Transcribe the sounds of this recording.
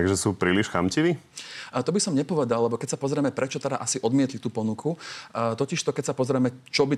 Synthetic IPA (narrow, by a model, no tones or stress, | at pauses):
aɡʒɛsuːpɾiːliʃxamciʋiːt̪ɔbisɔmɲɛpɔʋɛd̪allɛbɔkɛcsapɔzɾɛmɛpɾɛt͡ʃɔt̪ɛd̪a̰ʔasiʔɔd̪mɪɛt̪lit̪uːpɔnukʰut̪ɔciʃt̪ɔkɛcsapɔzɾɛmɛt͡ʃɔbi